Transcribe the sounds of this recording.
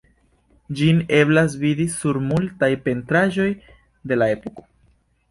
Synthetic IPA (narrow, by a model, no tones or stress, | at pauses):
d͡ʒine̞blas̬vidisuɾmultajpe̞ntɾaʒo̞j | de̞laepoko̞̥